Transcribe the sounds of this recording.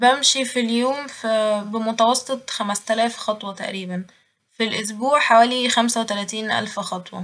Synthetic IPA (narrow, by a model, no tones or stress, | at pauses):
bæmʃifiljoːmfbemot̪æwɑsˤːet̪ˤxæmæst̪ælæːfxɑt̪ˤwɑt̪æ̰ʔɾiːbæn | filʔos̬buːʕħawæːlixæmsæwet̪ælæːt̪iːnʔæ̰lfxɑt̪ˤwɑ̰